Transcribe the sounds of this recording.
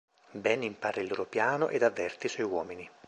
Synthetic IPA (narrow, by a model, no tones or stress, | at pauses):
bɛnimpaːɾeilːoːɾopjaːno̰ʔed̪avːɛrt̪iswɔjwɔːmini